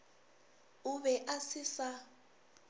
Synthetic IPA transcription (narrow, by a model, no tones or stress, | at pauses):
uβɛʔasisa